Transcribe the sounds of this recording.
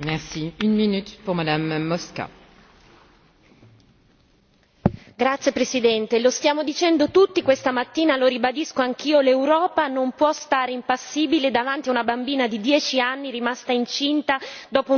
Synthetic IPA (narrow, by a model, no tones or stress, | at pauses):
mɛʁsiynminyt̪puʁmad̪amːɔska̰ | ɡɾat̪sːjepɾesid̪ɛnt̪elost̪jaːmod̪it͡ʃɛnd̪ot̪ut̪ːikwest̪amat̪ːiːnaloɾibad̪iskoaŋk̟iːolewɾɔːpanompwɔst̪aːɾeimpasːiːbiled̪avant̪iaunabambiːnad̪id̪jɛːt͡ʃianːiɾimast̪aint͡ʃint̪ad̪ɔːpo